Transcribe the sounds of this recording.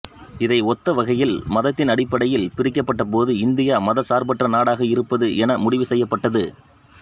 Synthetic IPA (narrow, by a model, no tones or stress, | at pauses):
ɪðɐɪɔt̪ːɐʋɐɣɐjɪlmɐðɐt̪ːɪnɐɽɪpːɐɽɐjɪlpɪɾɪk̬ːɐpːɐʈːɐpoːðɯɪnd̪ɪjaːmɐðɐsaːɾbɐʈrɐnaːɽaːɣɐɪɾɯpːɐðɯʔɛnɐmʊɽɪʋɯsɛjːɐpːɐʈːɐðɯ